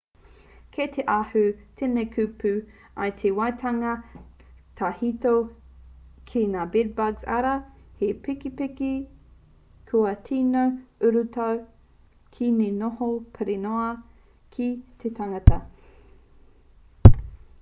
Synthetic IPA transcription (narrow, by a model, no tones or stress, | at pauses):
kʰet̪ʰeʔahʉtʰenekʰʉpʉ | ɐ̰jt̪ʰewajt̪ʰɐŋɐ | tʰahito | kʰenaːbed̚baɡzɐ̰ɾɐhepikipiki | kʰuɐtʰiːnowʉɾutɐw | kʰinenohopʰɐɾenoɐ | kʰit̪ʰetʰaŋɐtɐ